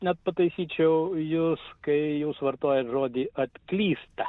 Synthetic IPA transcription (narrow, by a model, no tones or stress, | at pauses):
nʲɛt̪̚pɐt̪ɐɪsʲiːt͡ʃʲɛʊjuːskɐɪjɛʊsʋɐrt̪oːjɛt̪ʒoːd̪ʲiːɐt̪klʲiːst̪ɐ